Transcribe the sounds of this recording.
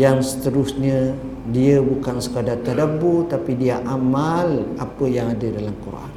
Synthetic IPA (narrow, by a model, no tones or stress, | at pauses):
jaŋsə̥t̪əɾʊsɲə̃ | diəbukansə̥kadart̪adabot̪apidiaʔamalapəjaŋadədalamkuɾa̰n